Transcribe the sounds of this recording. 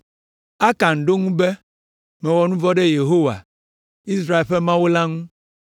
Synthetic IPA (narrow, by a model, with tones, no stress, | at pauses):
a˦ka˨ŋ˨ɖo˦ŋũ˦bɛ˦ | mɛ̃˨wɔ˨nũ˦vɔ˦ɖɛ˦je˨ɦo˦wa̰˨ | i˦s̬ɾa˦e˨lɸɛ˦mã˦wo˦la˦ŋũ˦